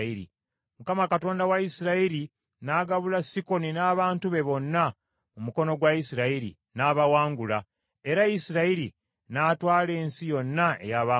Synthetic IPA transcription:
iɾḭ | mukamakato̞ːndawajisiɾaiɾi | naɡaβulasiko̞ninaːβaːntuβe̞βo̞nːa | omuko̞no̞ɡwaisiɾaiɾḭ | naβawaːŋɡula | e̞ɾajisiɾaiɾi | naːtwaːle̞ːnsijo̞nːae̞̰jaβa

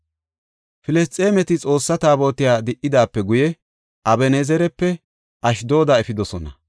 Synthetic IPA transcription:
fɪlɛs̬t̪ʼe̞ːmɛt̪ɪt͡sʼo̞ːsːɐt̪aːbo̞ːt̪ɪjaːd̪ɪʔɪd̪aːpːɛɡʊjɛ | ʔɐbɛneːzɛɾɛpːɛ | ʔɐʃd̪o̞ːd̪aɛfɪd̪ɔsɔnɐ̰

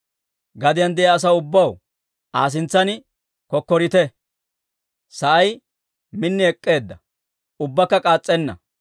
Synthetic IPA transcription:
ɡɐd̪ɪjɐnd̪ɛjɐːs̬ɐʊbːɐw | ʔaːs̬ɪnt͡sːɐnɪ | kɔkːɔɾɪt̪ɛ | sɐʔɐj | mɪnːɪɛkʼːe̞ːd̪ːɐ | ʊbːɐkːɐkʼaːt͡sʼːɛnːɐ̰

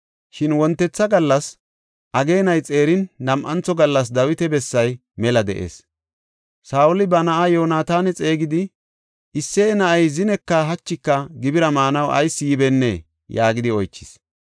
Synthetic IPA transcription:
ʃɪnwɔnt̪ːɛt͡sːɐɡɐlːɐs | ʔɐɡe̞ːnɐjt͡sʼe̞ːɾɪnːɐmʔɐnt͡sɔɡɐlːɐs̬d̪ɐwɪt̪ɛbɛsːɐj | mɛlɐd̪ɛ̰ʔḛːs | saːwʊlɪbɐnɐʔajo̞ːnaːt̪aːnɛt͡sʼe̞ːɡɪd̪ɪ | ʔɪsːeːnɐʔɐjzɪnɛkːɐɦɐt͡ʃːɪkːɐɡɪbɪɾɐmaːnɐwʔɐ̰jsːɪjɪbɛnːḛː | jaːɡɪd̪ɪɔjt͡ʃːɪ̥s

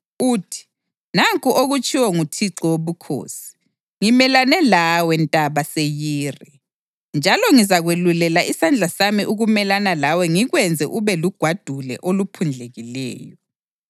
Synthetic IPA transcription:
uːtʰi̥ | naŋkʼuʔoɣut͡ʃʼiwɔŋutʰiǁɔwoβukʰo̰ːsi̥ | ŋimɛlanɛlawɛntʼaβasejiːri | nd͡ʒʱalɔŋizaɣwelulɛlaʔisand͡ɮʱasamiʔuɣumɛlanalawɛŋiɣwɛnd͡zʱɛʔuβɛluɡ̥ʱwad̥ʱulɛ̰ʔolupʰund͡ɮʱeɣilɛ̰ːjɔ

